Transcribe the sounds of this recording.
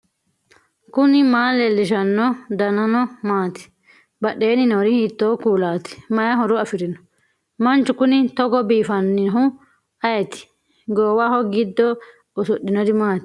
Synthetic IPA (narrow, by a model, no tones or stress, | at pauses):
kʊnɪmaːlɛlːɪʃɐnːɔd̪ɐnɐnɔmaːt̪ɪ̥ | bɐɗːeːnɪnɔɾɪhiːt̪ːoːkuːlaːt̪ɪ̥mɐjɐɦɔɾʊɐfɪɾɪnɔ̥ | mɐnt͡ʃːʊkʊnɪt̪ɔɡɔbiːfɐnːɪnɦʊ | ɐjɛt̪ɪ̥ | ɡoːwahɔɡɪd̪ːɔ | ʊsʊɗːɪnɔd̪ɪmaːt̪ɪ̥